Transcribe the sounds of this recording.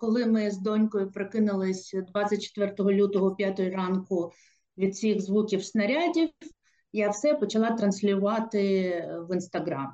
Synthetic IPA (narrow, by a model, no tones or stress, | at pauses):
kɔlˠɪmɪzd̪ɔnʲkɔjʊpɾɪkɪnɪlˠɪsʲd̪ʋɑt͡sʲːɐt̚ʲt͡ʃe̥t̪ʋɛrt̪ɔɦɔlʲut̪ɔɦɔpʲjat̪ɔjirɑnkʊ | ʋʲid̪̚t͡sʲiɣzʋukʲiwsnɐɾʲadʲiww | jawsɛpɔt͡ʃɐlˠɑt̪ɾɐnsʲlʲʊʋɑt̪ɪʋɪnst̪ɐɦɾɑ̰m